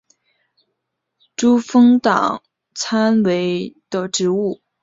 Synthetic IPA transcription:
ʈ͡ʂu˥fɤ˥ŋt̪ɑ̰˨˩ŋ | t͡sʰa˥nwe˧˥ɪd̪̥ə˧ʈ͡ʂɻ̩˧˥u˥˩

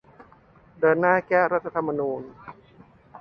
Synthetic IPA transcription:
dɤː˧nːaː˥˩kɛː˥˩ɾa˦˥t̪ʰːa˧t̪ʰa˧mːa˧nuː˧n

